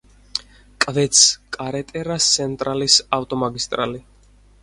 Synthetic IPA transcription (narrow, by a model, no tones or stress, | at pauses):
kʼvɛt̪sʰkʼaɾɛt̪ʼɛɾast̪sʰɛnt̪ʼɾalisaft̪ʼɔmaɡist̪ʼɾa̰li